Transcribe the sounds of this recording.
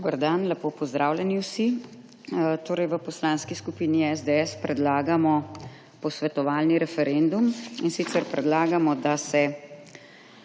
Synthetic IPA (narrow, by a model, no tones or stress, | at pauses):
d̪obəɾd̪anlɛpoːpɔzd̪ɾʔaːwlʲjɛniwsi | t̪oːɾɛjʋəpɔslaːnskiskupiːniɛzd̪eɛspɾɛd̪laːɡamɔ | pɔsʋɛt̪ɔʋaːlniɾɛfɛɾend̪uminsit̪sɛɾpɾɛd̪laːɡamɔd̪asɛ